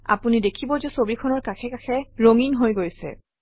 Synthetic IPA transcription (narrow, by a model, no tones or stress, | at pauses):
a̰punidekʰibɔzɛsobikʰɔnɔɹkakʰɛkakʰɛɹoŋinɦojɡojsɛ̰